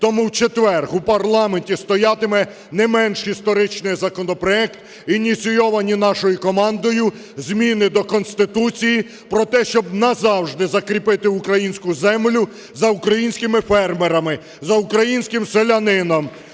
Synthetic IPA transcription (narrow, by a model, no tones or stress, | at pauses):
t̪ɔmuwt͡ʃet̪ʋɛrxupɐrlˠɑmenʲtʲist̪ɔjɑt̪ɪmɛ | nɛmɛnʃhist̪ɔɾɪt͡ʃnɪjzɐkɔnɔpɾɔɛkt̪ | inʲit̪t͡sʲijɔʋɐnʲinɑʃɔjʊkɔmɑnd̪ɔjʊ | zʲmʲinɪd̪ɔkɔnsʲt̪ɪt̪ut͡sʲiji | pɾɔt̪ɛʃt͡ʃɔbnɐzɑwʒd̪ɪzɐkɾʲipɪt̪ɪukɾɐjinʲsʲkʊzɛmlʲʊ | zɐukɾɐjinʲsʲkɪmɪfɛrmeɾɐmɪ | zɐukɾɐjinʲsʲkɪmselʲɐnɪnɔm